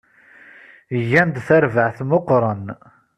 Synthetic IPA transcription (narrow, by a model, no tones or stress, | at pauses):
ʝːænd̪θæɾvəʕθmoqɾˤən